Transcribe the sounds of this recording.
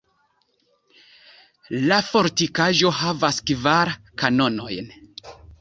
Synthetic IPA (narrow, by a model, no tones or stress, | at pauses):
lafo̞ɾtikaʒo̞ɦavaskvaɾ | kano̞no̞jn